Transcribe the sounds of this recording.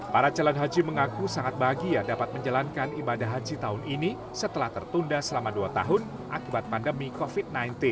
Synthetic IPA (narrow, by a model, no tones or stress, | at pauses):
paɾat͡ʃalanɦad͡ʒiməŋakusaŋat̪̚baɡijadapat̪̚məɲd͡ʒalankanibadaɦad͡ʒit̪aɦʊnini | sət̪əlaht̪ərt̪undasəlamaduat̪a̰ɦʊn | ʔa̰kibat̪̚pandəmikofid̚najnt̪ɪn